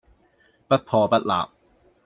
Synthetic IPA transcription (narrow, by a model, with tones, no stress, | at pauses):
pɐ˦˥t̚pʰɔː˧pɐ˦˥t̚la̰ː˨p̚